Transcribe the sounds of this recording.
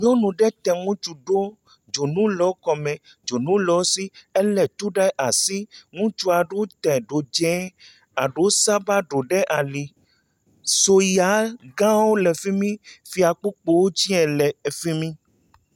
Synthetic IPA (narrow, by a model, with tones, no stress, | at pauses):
ɲɔ̃˦nũ˨ɖɛ˦t̪ɛ˨ŋũ˦t͡ʃu˦ɖo˦ | d͡ʒo˨nũ˦lɔ˨˦kɔ˨mɛ̃˨ | d͡ʒo˨nũ˦lɔ˨˦si˦ɛ˦lɛ˨t̪u˦ɖɛ˦ʔa˨si˦ŋũ˦t͡ʃu˦a˨ɖo˦t̪ɛ˨ɖo˨d͡ʒɛ̃˨˦ | a˨ɖo˨˦sa˦ba˦ɖo˨ɖɛ˦ʔa˨li˨ | so˦ja˨˦ɡã˦wo˦lɛ˨fi˦mĩ˦fi˨a˨k͡pu˦k͡po˦wo˦t͡ʃi˦ɛ˨lɛ˨fi˦mĩ˦